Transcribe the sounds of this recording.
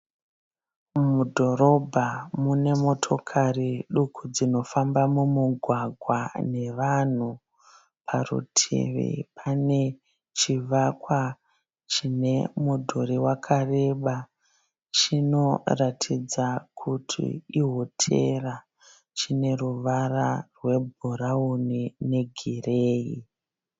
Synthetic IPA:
mudʱo̞ɾo̞bʱamune̞mo̞tʰo̞kʰariɗukʰud͡zino̞fambamumuɡʱwaɡʱwane̞ʋan̤u | pʰarṵtʰḛʋḛpʰane̞ | t͡ʃiʋakwa | t͡ʃine̞mudʱoɾiwakʰare̞ɓa | t͡ʃino̞ratʰid͡zakʰutʰḭiɦotʰḛra | t͡ʃine̞ruʋararwe̞bʱuraunine̞ɡʱireːjḭ

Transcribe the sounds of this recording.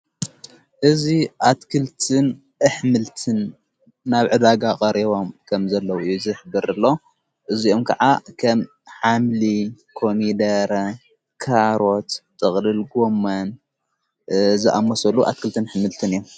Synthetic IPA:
ʔɨziʔat̪kʰɨlt̪ʰɨn | ʔɨħmɨlt̪ʰɨnː | aβʕɨd̪aɡakʼɐɾiβo̞mkʰɐmzɐlːɐwuɨjːuzɨħɨbɨɾɨlːo̞ | ʔɨzio̞mkʰɐʕakʰɐm | ħamlikʰo̞mid̪ɐɾ | kʰaɾo̞t̪t̪ʼɨχʼlɨlɡomːɐn | zɨʔamːɐsɐluʔa̰t̪̚kʰɨlt̪ʰɨnħmɨlt̪ʰɨnɨjːu

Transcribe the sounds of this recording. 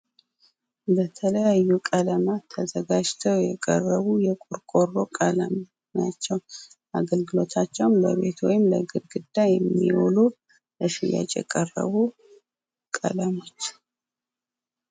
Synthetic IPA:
bət̪ʰələjajːukʼələmat̪ʰəzəɡad͡ʒt̪ʰəwjɛkʼə̰rːəβujɛkʼuɾkʼo̞ro̞kʼələm | nat͡ʃːɛw | ʔaɡəlɡɨlo̞t̪ʰat͡ʃːɛwnlə̰βe̞t̪ʰwɔjɪmləɡɨɾɡɨd̪ːajɛmːiwolu | ləʃija̰t͡ʃʼjɛ̰kʼərə̰βu | kʼə̰ləmo̞t͡ʃː

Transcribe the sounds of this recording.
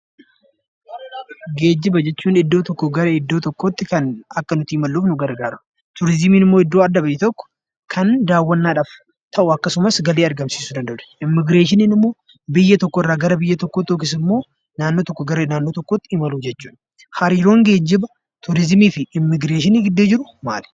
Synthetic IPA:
ɡeːd͡ʒːɪbɐd͡ʒɛt͡ʃːuːnɪd̪ːoːt̪ɔkːɔɡɐɾɐɪd̪ːoːt̪ɔkːoːt̪ːɪkɐnɐkːɐnʊt̪iːɪmɐlːuːfnʊɡɐɾɡaːɾʊ | t̪ʊɾɪzɪmiːnɪmːoːɪd̪ːoːɐd̪ːɐbɪjɛt̪ɔkːɔ̥ | kʰɐnd̪aːwːɐnːaːᶑaːf | t̪ʰɐʔʊɐkːɐsʊmɐsɡɐleːɐɾɡɐmsiːsʊd̪ɐnd̪ɐʔʊᶑɐ̥ʔɪmːɪɡɾeːʃɪniːnɪmːo̞ː | bɪjːɐt̪ɔkːoɪrːaːɡɐɾɐbɪjːɐt̪ɔkːoːt̪ːoːk̬ɪs̬ɪmːo̞ː | naːnːo̞ːt̪ɔkːɔɡɐɾeːnaːnːo̞ːt̪ɔkːoːt̪ːɪɪmɐluːd͡ʒɛt͡ʃːuːᶑ | hɐɾiːɾo̞ːŋɡe̞ːd͡ʒːɪbɐ | t̪ʊɾɪzmiːfɪɪmːɪɡɾeːʃɪniːɡɪd̪ːeːd͡ʒɪɾʊma̰ːl̥

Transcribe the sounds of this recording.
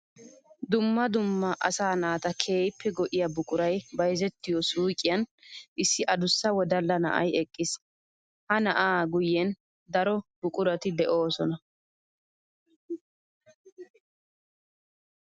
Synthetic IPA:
d̪ʊmːɐd̪ʊmːɐʔɐsaːnaːt̪ɐkʰeːjɪpʰːɛɡɔʔɪjɐbʊkʼʊɾɐjbɐjzɛt̪ːɪjɔsuːkʼɪjɐnʔɪsːɪʔɐd̪ʊsːɐwɔd̪ɐlːɐnɐ̰ʔɐ̰jɛkʼːɪs | hɐnɐʔaːɡʊjːɛn | d̪ɐɾɔbʊkʼʊɾɐt̪ɪd̪ɛʔo̞ːsɔnɐ

